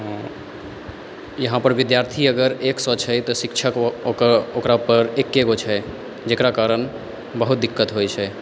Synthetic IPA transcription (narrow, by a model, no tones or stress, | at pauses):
jəɦãpəɾbid̪jaɾt̪ʰiəɡəɾeksɔt͡ʃʰɛt̪ɔsikt͡ʃʰəkokokɾapəɾekːeɡot͡ʃʰɛ | d͡ʒekɾakaɾən | bəɦut̪̚d̪ikːət̪ɦojt͡ʃʰɛ